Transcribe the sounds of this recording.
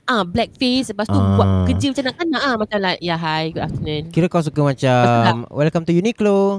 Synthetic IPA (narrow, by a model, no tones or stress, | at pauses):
ʔablɛk̚fesəbast̪ubuat̚kəd͡ʒimat͡ʃamnãk̪anaʔamat͡ʃamlajaɦajɡuaft̪ənə̃nkiɾəkaws̬ukamat͡ʃaamwɛlkamt̪ujuniklo